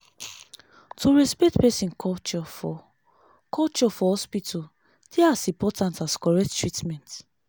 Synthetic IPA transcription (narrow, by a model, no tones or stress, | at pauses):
tʰuɹispɛk̚tpɛsĩnkʰɔt͡ʃɔfɔ | kʰɔlt͡ʃɔfɔhɔspitʰɔ | d̥ɛasĩmpɔtãntaskɔɹɛk̚ttɹitmɛ̃nt